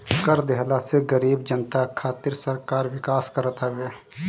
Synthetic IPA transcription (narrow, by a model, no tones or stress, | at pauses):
kəɾd̪eɦlaseɡəɾiːbd͡ʒənt̪akʰaːt̪iɾsəɾkaːɾʋɪkaːskəɾət̪ɦɛbeː